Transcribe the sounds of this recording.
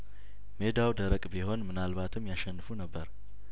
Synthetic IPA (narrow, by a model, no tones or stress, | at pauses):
me̞d̪awd̪əɾəkʼbiho̞nmɨnalβat̪ʰɨmjaʃɛnːɨfunəbːəɾ